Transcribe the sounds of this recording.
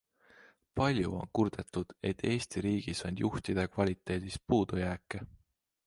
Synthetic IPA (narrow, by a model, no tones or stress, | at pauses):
pɑlʲjuo̞̰nkurd̪̥e̞t̪ːˑud̪̥e̞t̪ːe̞ːst̪iɾiːɡ̥isond̪̥jʔuht̪id̪̥e̞kvɑlʲit̪ˑːe̞ːd̪̥is̚puːd̪̥ujæːkːˑe